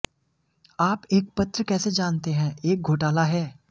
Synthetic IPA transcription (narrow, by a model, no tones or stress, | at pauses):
aːpeːk̚pɐt̪ɾəkɛːsed͡ʒaːnt̪eɦɛ̃ːeːk̚ɡʱoːʈaːlaɦɛː